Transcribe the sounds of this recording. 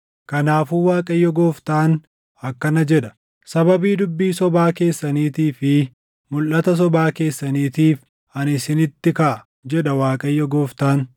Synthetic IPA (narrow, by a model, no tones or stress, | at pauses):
kɐnaːfuːwaːkʼɐjːɔɡoːft̪aːn | ɐkːɐnɐd͡ʒɛᶑɐ̥ | sɐbɐbiːd̪ʊbːiːsɔbaːke̞ːsːɐniːt̪iːfɪ | mʊlʔɐt̪ɐs̬ɔbaːke̞ːsːɐniːt̪iːf | ɐnɪsɪnɪt̪ːɪkɐʔɐ | d͡ʒɛᶑɐwaːkʼɐjːɔɡoːft̪aːn